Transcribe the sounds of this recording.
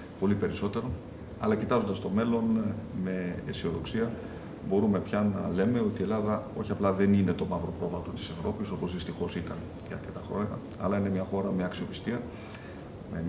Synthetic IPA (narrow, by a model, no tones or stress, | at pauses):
po̞lipe̞ɾiso̞t̪e̞ɾo̞ | ɐlɐcit̪ɐzo̞nd̪ɐst̪o̞me̞lo̞nme̞ːsio̞ðo̞̰ksiɐ | bo̞ɾume̞pçɐnɐle̞me̞o̞t̪ie̞lɐðɐo̞çiɐplɐðe̞nine̞t̪o̞mɐvɾo̞pɾo̞vɐt̪o̞t̪i̥se̞vɾo̞piso̞po̞zðist̪ixo̞sit̪ɐn | t̪iɐ̰ɾt̪et̪ɐxɾo̞̰ɲɐ̰ | ɐ̰lɐinemɲɐxo̞ɾɐme̞ɐksio̞pi̥st̪iɐ | me